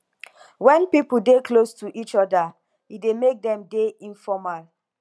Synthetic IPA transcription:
wɛ̃npipudeklostuʔit͡ʃɔda | idemek̚dɛ̃mdeĩnfɔmal

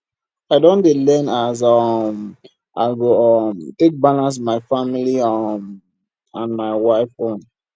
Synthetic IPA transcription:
aɪdõnelɛnaz̬ɔm | ʔa̰ɪlɡoɔmtek̚balãns̬maɪfamiliɔm | ãnmaɪwaɪfõn

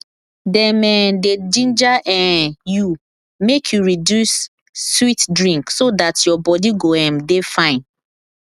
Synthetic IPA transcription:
dɛmɛ̃ded͡ʒĩnd͡ʒaʔɛ̃ju | mekʰjuɹidjusː | witdɹĩŋksodatjɔbɔdiɡoɛ̃mdefãɪ̃n

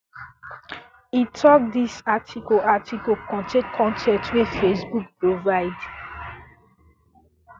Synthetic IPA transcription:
itʰɔk̚disatʰikoatikokɔ̃tekʰɔ̃ntɛtwefesbuk̚pɹovaɪd

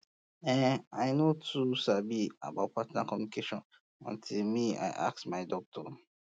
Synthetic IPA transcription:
ɛ̃naɪnotʰusabia̰baʊt̚pʰatnakʰɔmjunikʰeʃɔ̃n | ɔ̰̃ntʰilmia̰ɪʔa̰k̚smaɪdɔk̚tʰɔ

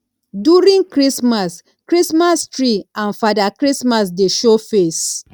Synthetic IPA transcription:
djuɹĩŋkɹismas | kɹismastɹiãnfadakɹismasdeʃofes

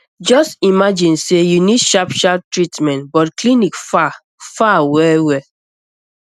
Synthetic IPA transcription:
d͡ʒɔstimad͡ʒĩnsejunidʃapʃap̚tɹitmɛ̃ntbɔtklinikfa | fawɛwɛ

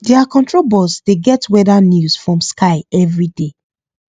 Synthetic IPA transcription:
dɛakɔ̃ntɹobɔsdeɡɛtwɛdanjusfɹɔ̃mskaɪɛvɹide

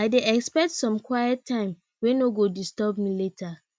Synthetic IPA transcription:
aɪdeʔɛkspɛk̚tsɔ̃mkʰwajɛtʰːãɪ̃m | wɛ̃noɡodistɛbmiletʰa

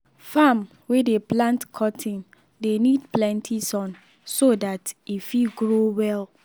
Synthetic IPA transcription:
fam | wedeplãntkʰɔtʰĩn | denidplɛ̃ntʰisɔ̃n | sodatifiɡɹowɛl

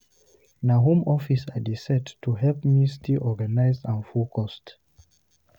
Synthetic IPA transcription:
naɦũmɔfisadisɛtːʰuɦɛlpminstʰilʔɔɡanaɪzãnfulkʰɔst

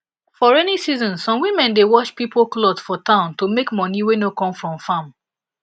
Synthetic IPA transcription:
fɔɹɛnisizɔ̃nsɔ̃mwimɛ̃ndewɔt͡ʃpipoklɔdsfɔtãʊ̃ntomekmɔniwenokɔ̃mfɹɔ̃mfãm

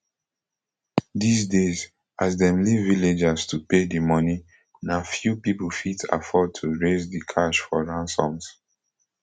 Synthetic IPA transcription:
disdez | asdɛ̃mlivːiled͡ʒastupedimɔni | nafjupipul̩fitʰa̰fɔd̚tʰuɹezdikʰaʃfɔɹãnsɔ̃ms

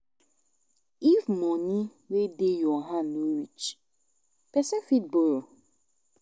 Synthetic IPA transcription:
ivmɔ̃ɲi | wedejɔɦanoɾit͡ʃ | pɛsefit̚bɔl

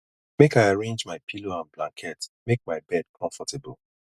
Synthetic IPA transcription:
mekaɪaɹẽnd͡ʒmaɪpʰiloãnblã̰ŋkʰɛtmek̚maɪbɛd̚kʰɔ̃ɱfɔtʰebəl

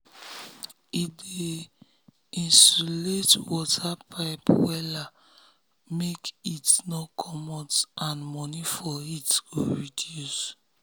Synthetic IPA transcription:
ide | ĩnsuletwɔtʰapʰaɪpwɛla | mekitnɔkʰɔmɔtãnmɔnifɔitɡ̥oɹidjus

